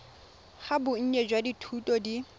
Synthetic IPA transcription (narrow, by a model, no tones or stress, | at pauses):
χabʊŋ̩ɲɛd͡ʒwaditʰutʼɔdi